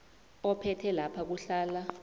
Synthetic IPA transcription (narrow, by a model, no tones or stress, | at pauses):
ɔpʰɛtʰɛlapʰak̬uɬaːla